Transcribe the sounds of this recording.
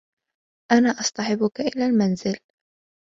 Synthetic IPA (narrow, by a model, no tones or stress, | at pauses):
ʔanaːʔɑsˤt̪ˤɑħɪbʊkaʔɪlaːlmanzɪl